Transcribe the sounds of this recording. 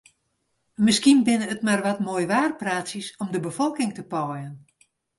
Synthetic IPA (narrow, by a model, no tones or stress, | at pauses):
mɪskinbɪnəətmarʋatmoːjʋaːrpraːtsisɔmdəbəfɔlˠkɪŋtəpɔjən